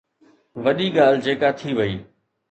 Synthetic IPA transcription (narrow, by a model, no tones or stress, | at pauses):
ʋɐɗiɡaːl̤d͡ʑeːkat̪ʰiʋəiː